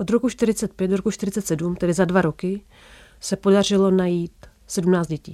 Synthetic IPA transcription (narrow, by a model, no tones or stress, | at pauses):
ʔod̪ɾokuʃt̪ɪɾɪt͡sɛt̪̚pjɛt̪d̪doɾokut͡ʃt̪ɪɾɪt͡sɛt̪sɛdumt̪ɛdɪzadvaɾo̞kɪ | sɛpo̞dar̝ɪlo̞najiːt̪ | sɛdumnaːt͡sd̪ɟɛcḭː